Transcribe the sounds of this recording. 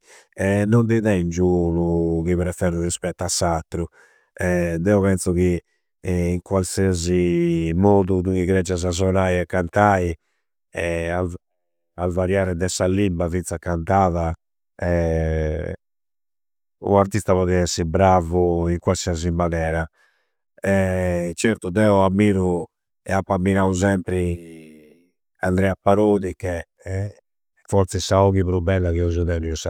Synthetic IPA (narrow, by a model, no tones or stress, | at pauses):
ɛnːɔnd̪iðɛind͡ʒuluɣiβɾɛfɛɾurispɛt̪ːasːat̪ːɾu | ɛd̪ɛɔβɛnsɔɣiː | ŋkwalsiazimoːðuðuɣiɣɾɛd͡ʒːazazɔnaːjɛkːant̪aːi | ɛa | avaɾjaːɾɛd̪ɛsalːimbavint̪sakant̪aːva | ɛ | ṵaɾt̪ist̪aβɔðiɛsːibɾavuiŋkwalsiazimːanɛːɾa | ɛt͡ʃɛɾt̪ud̪ɛɔamːiːɾu | ɛapːamːinauzɛmpɾi | and̪ɾɛːapːaɾoːðikɛ | fɔɾt̪sɛsaɔɣiβɾubːɛlːakiɔzuðɛniusa